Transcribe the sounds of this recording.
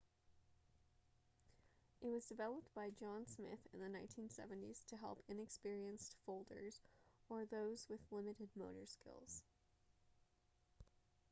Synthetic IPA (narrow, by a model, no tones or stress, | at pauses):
ʔɨt̚wʌzdɨvɛlˠəp̚t̚b̥aɪd͡ʒɑ̃nsmɪ̰θɨ̃nðɨnãɪ̃ntʰĩnsɛ̰vɨ̃n̩tiz̥tʰɨɦɛ̰lˠpʰɨ̃nɨkspɪɹiɨ̃nstfoʊlˠdə̰˞zə˞ðoʊzwɨðlɪmɨɾɨd̚moʊɾə˞skɪ̰lˠz̥